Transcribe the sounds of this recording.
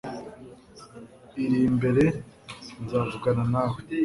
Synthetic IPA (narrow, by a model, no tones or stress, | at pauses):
iɾiːmbe̞ɾe̞ | nzaːvuɡananaːh